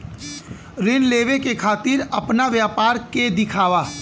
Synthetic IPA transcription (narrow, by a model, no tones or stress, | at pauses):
ɾɪnleːʋekekʰaːt̪ɪɾɐpnaʋjaːpaːɾked̪ɪkʰaːʋaː